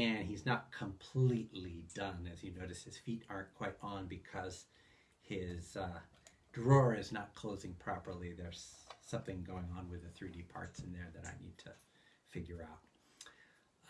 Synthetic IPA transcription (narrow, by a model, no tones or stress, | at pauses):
ɨ̃niznət̚kʰə̃mpʰl̥itˡlidʌ̃nɨzjɨnoʊɾɨst̚hɨz̥fiɾɑɹnkʰw̥aɪɾn̩bɨkʰʌz̥ | hɪz̥ | dɹɔɹɪznət̚kʰl̥oʊzɪ̃ŋpʰɹ̥ɑpə˞lˠiðə˞z̥sʌ̃mθɪ̃ŋɡoʊɪ̃ŋə̃nwɨðɨθɹidipʰɑ̰ɹtsɨ̃nðə˞ðɨɾa̰ɪnid̚tʰɨ | fɪɡjə˞aʊt̚